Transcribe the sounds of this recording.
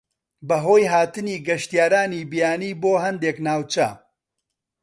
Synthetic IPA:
bɐɦoːjɦaːt̪ɨniːɡɐʃt̪ijaːɾaːnibijaːniːboːɦɐnd̪eknaːwt͡ʃɐ

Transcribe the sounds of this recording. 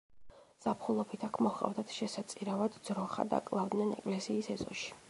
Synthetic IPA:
z̥apʰχulˠɔbit̪ʰakʰmɔχʼa̰vd̪at̪ʰʃɛsat̪sʼiɾavad̪d̪z̥ɾɔχa̰d̪a̰kʼlˠavd̪nɛnɛkʼlɛsiːsɛzʼɔ̰ʃi̥

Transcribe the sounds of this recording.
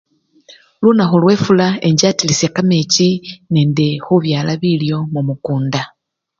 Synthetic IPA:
lunaxulwe̞ːfulae̞ɲɟaːtilisekame̞cine̞ːndexuβjaːlaβiljo̞mumukuːnda

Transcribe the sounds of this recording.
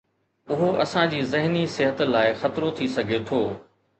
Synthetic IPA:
ʊɦoʔɐsãd͡ʑiːzɪɦnisɪɦət̪laːɪxɐt̪ɾot̪ʰisɐɡʱet̪ʰoː

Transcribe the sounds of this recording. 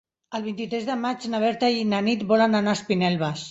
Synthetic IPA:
əlˠβ̞int̪it̪ɾɛzðəmad͡ʒnaβ̞ɛɾt̪ainanit̪bɔlənanaspinɛlβəs

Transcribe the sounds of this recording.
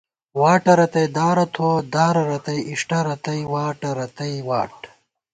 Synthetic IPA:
waːʈɐɾɐt̪ɐjd̪aːɾɐt̪ʰod̪aːɾɐɾɐt̪ɐjiʂʈɐɾɐt̪ɐjwaːʈɐɾɐt̪ɐjwaːʈ

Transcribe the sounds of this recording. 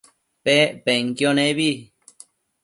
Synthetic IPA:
pepeŋkjonẽβi

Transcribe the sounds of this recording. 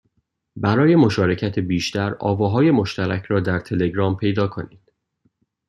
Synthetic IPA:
bæɾɒːje̞mo̞ʃɒːɾe̞cʰæt̪ʰebiːʃt̪ʰæɾɒ̰ːvɒːɦɒːje̞mo̞ʃt̪æɾæcʰɾɒːd̪æɾt̪ʰe̞le̞ɡɾɒːmpʰe̞jd̪ɒːkʰo̞niːd̪̥̚

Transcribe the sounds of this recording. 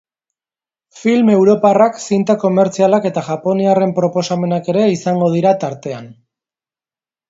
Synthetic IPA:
filme̞wɾo̞paraksint̪ako̞me̞ɾt͡sialake̞t̪aʝapo̞niare̞mpɾo̞po̞same̞nake̞ɾe̞isaŋɡo̞ð̞iɾat̪aɾt̪e̞an

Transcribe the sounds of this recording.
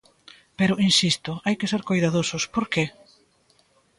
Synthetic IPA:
peɾʊinsist̪ʊajkeseɾkojðaðosʊspoɾke

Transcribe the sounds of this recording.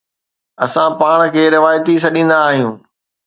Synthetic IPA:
ɐsãpaːɽ̃kʰeːɾɪʋaːjt̪is̬ɐɗĩːn̆d̪aːɦijũː

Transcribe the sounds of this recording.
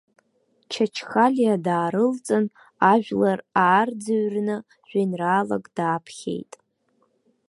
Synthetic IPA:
t͡ʃʰat͡ʃʰχalʲjadaːɾɨlt͡sʼɨn | aʒᶣʷlaraːrd͡zaɥrnɨ | ʒᶣanraːla̰kʼdaːpʰχʲḛjtʼ

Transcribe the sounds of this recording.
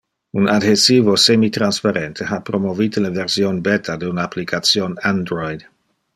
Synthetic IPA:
unad̪hesiːvosemit̪ɾanspaɾent̪ʰeɦapɾomovit̪eleveɾsjonbet̪ʰad̪eunaaplikʰat̪sjonand̪ɾojd̪

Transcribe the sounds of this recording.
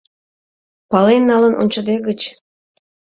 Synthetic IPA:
pɑlenːɑlənʔo̰nʲt͡ɕəd̪eɣət͡ɕ

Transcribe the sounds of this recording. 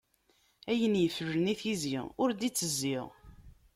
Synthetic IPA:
æjənjəfəʒəniθiziʁʊɾd̪it͡sːəzːiʁ

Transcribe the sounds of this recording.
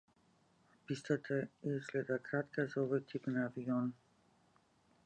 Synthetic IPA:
pist̪at̪ʰaislɛd̪akɾat̪kazaovojt̪ʰipnaːvion

